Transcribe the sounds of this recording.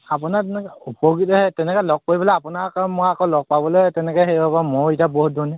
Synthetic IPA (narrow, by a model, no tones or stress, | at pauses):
apʊnatɛnɛkupɔɡitɔhɛtɛnɛkɔlɔɡ̚koɹibɔleapʊnakaɔnmɔjakɔlɔɡ̚pabɔlojtɛnɛkɔɦebabamoɹitaboɦut̚dɔnɛ